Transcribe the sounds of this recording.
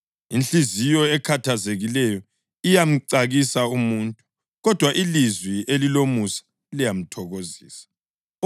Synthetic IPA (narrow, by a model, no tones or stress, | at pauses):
int͡ɬizijɔɛkʰatʰazeɣilɛjɔ | ijam̩ǀaɣisaumuntʼu̥ | ɣɔd̥ʱwaʔilizwiʔelilomusḁ | lijam̩tʰɔɣoziːsḁ